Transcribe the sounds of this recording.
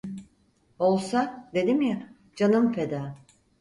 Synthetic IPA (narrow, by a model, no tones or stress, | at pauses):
olˠsad̪e̞d̪imja | d͡ʒanɯmpʰed̪aː